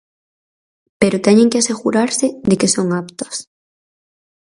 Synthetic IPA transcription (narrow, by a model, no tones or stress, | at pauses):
peɾʊt̪ɛɲẽŋkeaseɣuɾaɾsɪd̪ekesoŋapt̪ɐ̥s